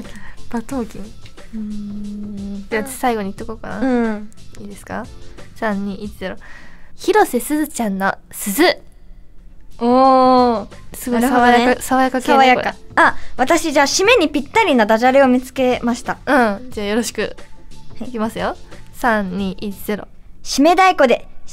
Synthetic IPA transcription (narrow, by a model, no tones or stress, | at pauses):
b̥at̪oːkʲiɯ̃ | d͡ʑeasaiɡo̞ɲ̟it̪ːokokana̰ | iːd̪e̞sɨ̥ka̰sãɲ̟ɲiit͡ɕize̞ɾo̞çiɾo̞se̞sɨzɨt͡ɕãnːosɨzɨ | oː | sɨɡoaajakasaβajakakeaβajakaaβat̪aɕiʑaːɕime̞ɲ̟ipʲit̪ːaɾʲinad̪aʑaɾeo̞mʲit͡sɨ̥ke̞maɕi̥t̪aɯ̃d͡ʑaːjo̞ɾo̞ɕi̥kɯ̟̰ | ikʲimasɨjo̞sãɲɲiːʔit͡ɕiz̥e̞ɾo̞̰ɕime̞d̪aiko̞d̪e̞